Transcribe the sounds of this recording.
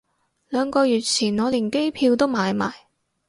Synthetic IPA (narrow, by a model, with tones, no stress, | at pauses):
lœː˨˧ŋkɔː˧jyː˨t̚t͡sʰiː˨˩nŋɔː˨˧liː˨˩nke˥jpʰiː˧wt̪o˥wmaː˨˧jma̰ː˨˩j